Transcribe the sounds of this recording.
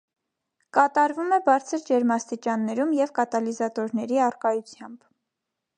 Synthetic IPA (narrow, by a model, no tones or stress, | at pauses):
kɑt̪ɑɾvumɛbɑɾt͡sʰəɾd͡ʒɛɾmɑst̪it͡ʃɑnːɛɾumjɛvkɑt̪ɑlizɑt̪ɔɾnɛɾiɑrkɑjut͡sʰjɑmb̥